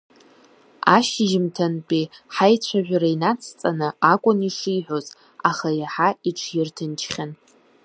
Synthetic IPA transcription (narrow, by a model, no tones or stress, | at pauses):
a̰ʃɪʒɪmtʰanpʼiħajt͡ɕʷʰaʒᶣʷɾainat͡sʰt͡sʼanɨakʷʼʊniʂiħʷᶣo̞z | aχajaħaiʈ͡ʂʰjɪrtʰɨnt͡ʃʰχʲan